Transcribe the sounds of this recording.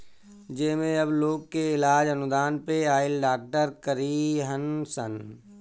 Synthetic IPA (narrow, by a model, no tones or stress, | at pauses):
d͡ʒemẽɐbloːɡkeɪlaːd͡ʒɐnʊd̪aːnpeaːɪlɖaːk̚ʈəɾkəɾiːɦənsən